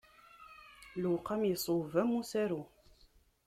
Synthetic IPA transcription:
luqɑmjisˤuvæmːusæɾu

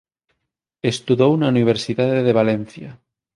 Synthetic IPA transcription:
est̪uðownauniβ̞eɾsiðaðeðeβ̞alen̟θja

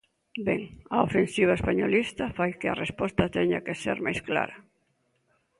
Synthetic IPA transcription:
bɛŋɐofensiβ̞aespaɲolist̪ɐfajkɪɐrespɔst̪ɐt̪ɛɲa̰keseɛɾmajskla̰ɾɐ

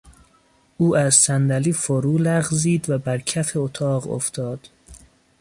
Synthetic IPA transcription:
ʔuːæzsænd̪æliːfoɾuːlæɣziːd̪væbæɾcʰæfeot̪ʰɒːɢo̰ft̪ʰɒːd̪̥

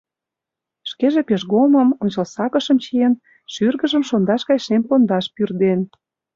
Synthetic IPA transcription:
ʃkeʒĕpeʃɣomə̆monʲt͡ɕə̆lsɑkə̆ʃə̆mt͡ɕijen | ʃyrɣə̆ʒə̆mʃond̪ɑʃɣɑjʃempond̪ɑʃpyrd̪en

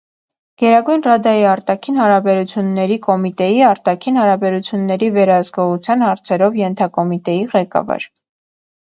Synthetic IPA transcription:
ɡ̥ɛɾɑɡujnrɑd̪ɑjiɑɾt̪ɑkʰinhɑɾɑbɛɾut͡sʰjunːɛɾikɔmit̪ɛjiɑɾt̪ɑkʰinhɑɾɑbɛɾut͡sʰjunːɛɾivɛɾɑɦəskɔʁut͡sʰjɑnhɑɾt͡sʰɛɾɔvjɛnt̪ʰɑkɔmit̪ɛjiʁɛkɑ̰vɑ̰ɾ

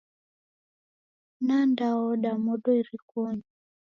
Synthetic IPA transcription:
nandaɔɗamɔɗɔiɾikɔɲi

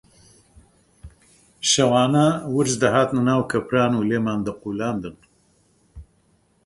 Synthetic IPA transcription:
ʃɐwaːnawɨɾzd̪ɐɦaːt̪nɨnaːwkʰɐpɾaːnuːleːmaːnd̪ɨquːlaːnd̪ɨn

